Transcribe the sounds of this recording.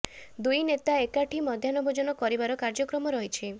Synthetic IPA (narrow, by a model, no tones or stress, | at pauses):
d̪ujnet̪aekaʈʰimɔd̪ʱjanɔbʱɔd͡ʒɔnɔkɔɾibaɾɔkaɾd͡ʒɔkɾɔmɔɾɔɦit͡ʃʰi